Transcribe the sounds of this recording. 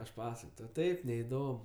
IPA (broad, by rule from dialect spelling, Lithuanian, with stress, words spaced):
ɐʃ ˈpɑːsɐkoːj tɐʊ ˈtɐɪp nʲɛɪˈdoːm